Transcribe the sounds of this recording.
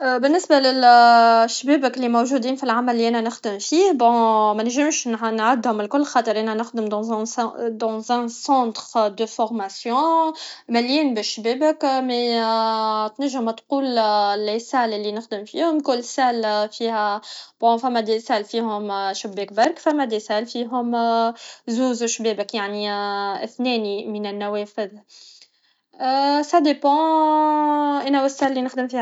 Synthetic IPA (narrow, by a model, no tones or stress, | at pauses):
ʔbɪnːɪsbalɪlʃːbeːbəklimowʒuːd̪iːnfilʕamælːiʔænænɪxd̪əmfiːhbɔ̃mænʒɪmʃnʕad̪hʊmɪlkʊlːxɑːt̪ˤəɾʔænænɪxd̪əmd̪ɑ̃zd̪ɑ̃zɛ̃sɑ̃ːt̪χd̪əfɔʁmasjɔ̃mæljiːnbɪʃːbeːbəkmɛ | t̪næʒːəmt̪quːllesæːlɪlːinɪxd̪ɪmfḭːhʊmkʊlːsælfiːhæbɔ̃fæmːæd̪esælfiːɦʊmʃʊbːeːk̚baɾkfæmːæd̪esælfiːɦʊm | zuːzʃbɛːbəkjaʕniɪ̰θnɛːnimɪnɪnːæwɛːfɪð | sæd̪epɑ̃ | ʔɛnæwɪsæːlːinɪxd̪ɪmfiːh